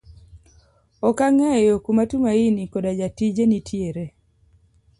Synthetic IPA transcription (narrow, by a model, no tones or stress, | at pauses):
ɔkaŋɛjɔkumatumainikɔdad͡ʒatid͡ʒenitʰjeɾe